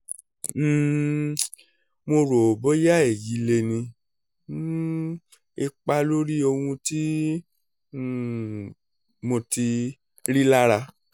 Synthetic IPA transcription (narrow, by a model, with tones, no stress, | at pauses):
mo˧ɾo˨bɔ˨˦ja˦ɛ˨ji˨˦le˧nĩ˧˦ | e˧k͡pa˦lo˦ɾi˦o˧hũ˧ti˦˨ | mo˧ti˧ | ɾi˦la˦ɾa˧